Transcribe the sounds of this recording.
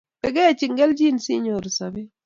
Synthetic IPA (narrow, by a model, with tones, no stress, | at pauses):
pɛ˨ɡɛ˦a˨t͡ʃi˨ŋɡɛ˦ld͡ʒi˦nsi˦ɲo˨ɾsa˨be˦